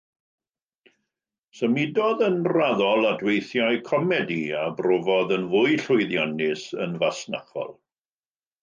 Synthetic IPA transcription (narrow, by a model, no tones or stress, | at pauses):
səmɪdɔðənraðɔlˠadwejθjaɨkʰɔmɛdiabrovɔðənvʊɨɬʊjðjanɪsənvasna̰χɔ̰lˠ